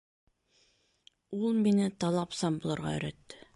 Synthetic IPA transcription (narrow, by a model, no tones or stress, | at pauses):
ulˠminɪt̪ɑlˠɑpsɑmbulˠɤ̆ɾʁɑ̰ɵ̰̆ɾæt̪ːɪ̥